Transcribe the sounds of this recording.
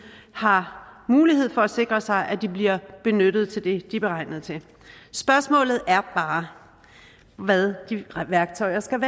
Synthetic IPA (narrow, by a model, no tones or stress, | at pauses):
hɑ̈muːliɦe̝ð̰ˠfɒ̽æse̝ɡ̥ʁɐsɑ̈ɪʔæd̥ib̥liɐb̥e̝nød̥ð̞ˠt͡sʰe̝ld̥e̝d̥ib̥e̝ʁɑ̈ɪ̰nð̞̩ˠt͡sʰe̝l | sb̥ɶɐsmɔ̰̽ːlð̞̩ˠæɐb̥ɑ̈ː | ʋæðˠd̥iʋæɐɡ̥̚t͡sʰɒ̽ɪɐsɡ̥æʋæː